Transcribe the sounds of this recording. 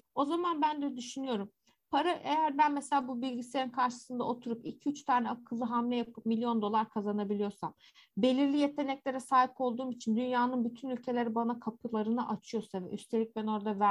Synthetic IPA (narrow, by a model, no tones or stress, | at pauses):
o̞zamanbænd̪ɛd̪yʃynyjo̞ɾum | pʰaɾaʔejæɾbænmeselʲaːbubilʲɟise̞ɾinkʰaɾʃɯ̥sɯnd̪a̰ot̪ʰuɾupilʲcʰiyt͡ʃt̪ʰaːnɛakʰːɯzˠɯɦamlʲɛjapʰɯpmilʲːijo̞nd̪o̞lˠaɾkʰazanabilʲijo̞ɾsam | be̞lʲiɾlʲijet̪ʰe̞nɛclʲe̞ɾɛsaːɦipo̞lˠd̪uːmit͡ʃʰind̪ynjaːnɯnbyt̪ʰynylʲcʰe̞lʲe̞ɾibanakʰapʰɯlˠaɾɯnɯʔat͡ʃʰɯjo̞ɾsavɛ̰ʔyst̪ʰe̞lʲic̚bɛno̞ɾd̪avæ